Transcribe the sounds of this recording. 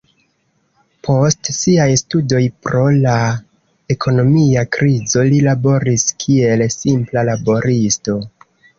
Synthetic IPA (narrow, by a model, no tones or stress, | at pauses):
pʰo̞stsiajstudo̞jpɾo̞la | e̞kʰo̞no̞miakɾizo̞lilabo̞ɾiskʰie̞lsimplalabo̞ɾʔisto̞